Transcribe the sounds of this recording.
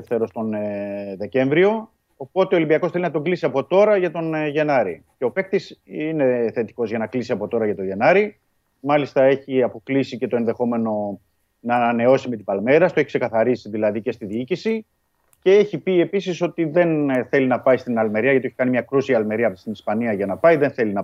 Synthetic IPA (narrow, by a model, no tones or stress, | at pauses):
fθeɾo̞st̪onðe̞ce̞ɱvɾio̞ː | po̞t̪e̞olimbiɐkoθe̞linɐt̪o̞ɡlisiɐpo̞t̪o̞ɾɐʝɐt̪o̞nʝe̞nɐɾice̞o̞pe̞k̚t̪isine̞θe̞t̪i̥ko̞zʝɐnɐklisiɐpo̞t̪o̞ɾɐʝɐt̪o̞ʝe̞nɐɾi | mɐlist̪ɐe̞çiɐpo̞klisice̞t̪o̞e̞nðe̞xo̞me̞no̞ | nɐːnɐne̞o̞sime̞t̪̬ibɐlme̞ɾɐst̪oe̞çikse̞kɐθɐɾisiðilɐðice̞st̪iðiicisi | ce̞eçipie̞pisiso̞t̪iðe̞nθe̞linɐpɐjst̪inɐlme̞ɾiɐʝɐt̪ieçikɐnimɲɐkɾusiɐlme̞ɾiɐst̪inispɐniɐʝɐnɐpɐjðe̞nθe̞linɐ